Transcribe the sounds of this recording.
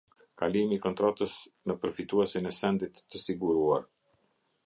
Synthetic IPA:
kalimiːkɔnt̪ɾɔt̪əsnəpəɾfit̪uɛsinɛsɛnd̪it̪ːəsiɡuɾua̰ɾ

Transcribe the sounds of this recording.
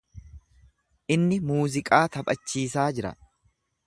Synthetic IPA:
ʔɪnːɪmuːzɪkʼaːt̪ɐpʼɐt͡ʃːiːsaːd͡ʒɪɾɐ̰

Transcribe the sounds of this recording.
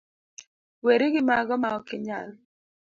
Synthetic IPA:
weɾɪɡɪmaɡɔmaɔkɪɲal

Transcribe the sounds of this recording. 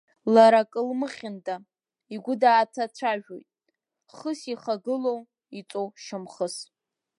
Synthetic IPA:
laɾakʼɨlmɨχʲɪndʼa | iɡʷʊdaːt͡sʰat͡sʷʰaʒᶣo̰jtʼ | χəsiχaɡɨlow | it͡sʼowʃɨmχəs

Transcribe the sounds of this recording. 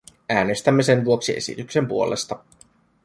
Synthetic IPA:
æːne̞st̪æmːese̞nʋuoksie̞sḭt̪ykse̞mpuo̞le̞̰st̪ɑ

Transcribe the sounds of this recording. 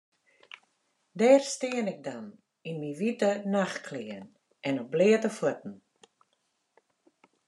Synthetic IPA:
dɛːrstɪənɪk̚dan | inmiʋitənaxkʰlɪəən | ʔɛnɔblɪːətəfut̚n̩

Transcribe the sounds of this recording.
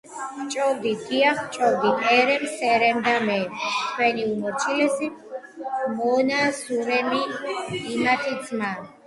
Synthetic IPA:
χt͡ʃʼɔvd̪iɡiaχt͡ʃʼɔvd̪iʔʼɛɾɛmsɛɾɛmd̪amɛmt̪ʰwɛniumɔɾt͡ʃʰilɛsim | mɔnasuɾɛmiː | mat̪ʰid̪zman

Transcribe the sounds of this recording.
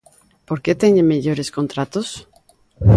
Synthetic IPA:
poɾket̪eɲemeʎoɾeskont̪ɾat̪os

